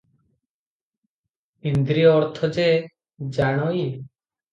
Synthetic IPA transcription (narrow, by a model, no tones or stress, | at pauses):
ind̪ɾiɔːɾt̪ʰɔd͡ʒe | d͡ʒaɽ̃ɔi